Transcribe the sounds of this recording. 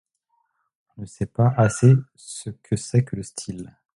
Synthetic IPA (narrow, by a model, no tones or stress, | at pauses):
ɔ̃nəsɛpaʔase | səkʰəsɛkələst̪ʰil